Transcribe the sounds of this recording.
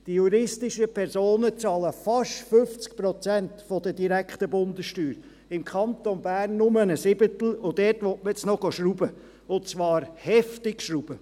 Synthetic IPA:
d̥ijuɾɪstɪʃəpʰɛɾsoːnət͡sɑːləfɑʃtfʏft͡sk̚pɾɔt͡sæntfɔd̪əd̥iɾækχt̪əbʊnd̪əsʃtyːɾ | ɪmkʰχɑnt̪onbæːrnːʊmənəsɪb̥ət̪l̩ʊd̥̪ɛtʋɔtməɛt͡snɔɡ̥oʃɾubə | ʊt͡sʋɑːɾhɛftɪkʃɾub̥ə

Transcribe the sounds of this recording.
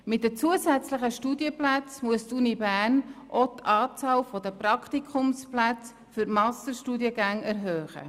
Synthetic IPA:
mɪt̚dət͡suəsæt͡sləχəʃtudiəplæt͡smuəstunibæːrnʔot̪ɑːt͡sɑːlfɔd̪əpɾɑkt̪ikʰʊmsplæt͡s | fʏɾmɑstəʃtuːdiəɡæŋæɾɦøːχə̰

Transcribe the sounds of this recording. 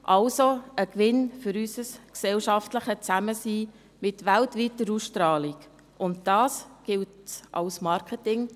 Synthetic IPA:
ʔɑlsoəkʋɪnfʏɾysəsksɛlʃɑftləχət͡sæməsiː | mɪtʋæltʋiːtəɾusʃtɾɑːliɡ | ʔʊntd̥ɑːsɡ̥ɪltʔɑ̰lsmɑɾkʰətɪŋ

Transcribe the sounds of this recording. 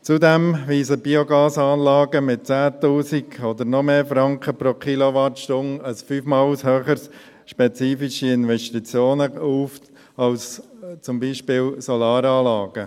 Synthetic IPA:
t͡sudɛmʋiːsəbioɡɑːsɑːnlɑːɡəmɪt̚t͡sæːt̪uːsiɡod̪əɾnɔmeːfɾɑŋkχəpɾokʰiloʋɑtʃtʊnəsfyːfmɑːlshøːχəs | ʃpɛt͡siːfiʃiɪnʋɛʃtit͡sjoːnəuːf | ɑlst͡sʊmbiːʃpɪːlsɔlɑːɾɑːlɑːɡ̥ə

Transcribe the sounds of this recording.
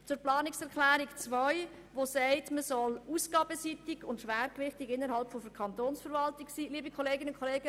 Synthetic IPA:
t͡sʊɾplɑːnɪksɛɾklæːɾɪkt͡sʋœj | ʋosɛɪtməsɔlusɡ̥ɑːbəsitɪɡ̥ʊntʃʋæːɾkʋɪχtɪɡɪnːəɾhɑlpfɔfəkʰɑntoːnsfəɾʋɑltɪksiːliːbikʰɔleːɡɪnəʊnkʰːɔleːɡə

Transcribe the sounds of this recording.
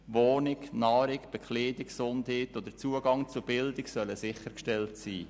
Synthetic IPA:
ʋoːnɪknɑːɾɪkb̥ɛkχleːdɪksʊndheːtod̪ət͡suəɡɑŋt͡subɪldɪksœləsɪχəɾkʃtɛltsiː

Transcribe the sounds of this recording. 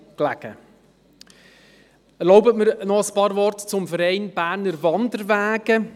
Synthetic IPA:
klæɡ̥ə̰ | ɛɾloʊbətməɾnɔəspɑːɾvɔrtt͡sʊmfəɾɛɪnb̥æːɾnəɾvɑndəɾvæːɡ̥ə

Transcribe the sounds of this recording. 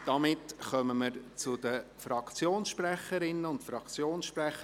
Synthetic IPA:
d̥ɑmɪtχœməməɾt͡sʊdəfrɑkt͡sjoːnsʃprɛχəɾɪnəʊntfɾɑkt͡sjoːnsʃprɛχə

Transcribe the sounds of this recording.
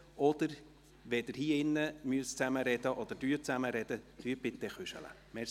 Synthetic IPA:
ɔd̥̪əɾ | ʋɛd̥̪ɪɾhiːɪnːəmyəst͡sæməɾɛd̥̪əʔɔd̪əɾd̥yːɾt͡sæməɾɛd̥̪əd̪̥yːb̥ɪt̪ːɛχʏʃə̰lə̰ | mɛ

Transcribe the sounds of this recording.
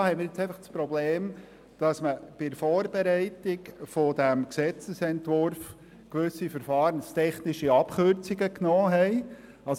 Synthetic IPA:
hɛɪmɪːɾjet͡sɛɪfɑχspɾɔbleːm | d̥ɑsməb̥ɪfɔːɾbɛɾɛɪtɪɡfod̥æmksɛt͡səsɛntʋʊɾf | kʋʏsːifəɾfɑːɾənst̪ʰɛχnɪʃiɑpχøɾt͡siɡəknɔːɦɛɪ | ɑs

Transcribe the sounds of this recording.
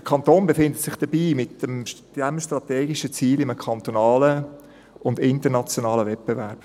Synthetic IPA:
d̥əkʰɑnt̪oːnbefɪndət̪sɪχd̥əbiːmɪtəmd̥ɛmʃtɾɑtɛːɡiʃət͡siːlɪməkʰɑnt̪onɑːlə | ʊndɪntənɑt͡sjonɑːləvɛt̚b̥evæɾb̥

